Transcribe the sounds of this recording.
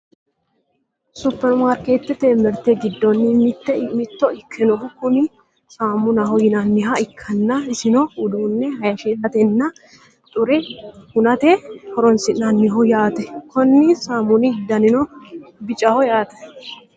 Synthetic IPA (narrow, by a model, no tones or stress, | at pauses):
sʊpːɛnʊmaːɾkeːt̪ːɛt̪emɛɾt̪ɛɡɪd̪ːɔnːɪmɪt̪ːɛmɪt̪ːɔɪkʰːɛnɔʊkːʊnɪ | saːmːʊnɐɦɔjɪnɐnːɪɦɐɪkʰːɐnːɐɪsɪnɔʊd̪uːnːɛhɐjɐʃɛsɐt̪ɛnːɐ | t̪ʼʊɾɛhʊnɐt̪ɛhɔɾɔnsɪnɐnːɪɦɔjaːt̪ɛkʰɔnːɪsaːmʊnɪd̪ɐnɪnɔbɪt͡ʃʼɐhɔjaːt̪ɛ̥